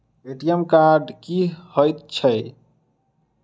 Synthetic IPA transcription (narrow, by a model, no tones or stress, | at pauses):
eʈijəmkaɾɖkihojt̪̚t͡ʃʰəj